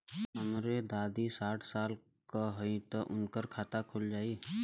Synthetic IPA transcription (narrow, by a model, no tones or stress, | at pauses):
ɦəmɾed̪aːd̪isaːʈʰsaːl | kaɦoĩt̪ɔʔʊnkəɾkʰaːt̪akʰʊld͡ʒaːi